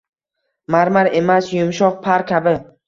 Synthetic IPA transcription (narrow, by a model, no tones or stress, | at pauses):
maɾmaɾe̞masjʊmʃɒq̚pʰaɾkʲʰabɪ